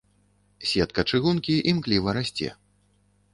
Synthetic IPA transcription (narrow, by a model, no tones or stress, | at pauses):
sʲɛt̪̚kɐt͡ʂɨɣunkʲiʔimklʲivɐɾasʲt͡sʲɛ̰